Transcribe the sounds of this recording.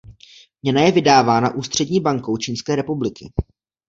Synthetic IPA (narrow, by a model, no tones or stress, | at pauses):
mɲɛnajɛvɪdaːvaːna̰ʔuːst̪r̝̥ɛdɲiːbaŋkowt͡ʃiːnskɛːɾɛpublɪkɪ̰